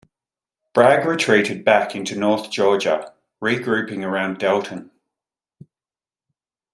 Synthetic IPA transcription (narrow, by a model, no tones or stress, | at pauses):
b̥ɹaɡɹɪtʰɹ̥iˑtɪd̚bakʰɪ̃ntunɔˑθd̥ʒ̥ɔːd͡ʒə̰ | ɹiɡɹʉˑpɪ̃ŋəɹãʊ̃ndɛlˠʔʰə̃n